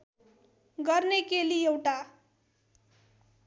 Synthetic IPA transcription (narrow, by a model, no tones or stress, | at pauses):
ɡʌrnekeliewʈa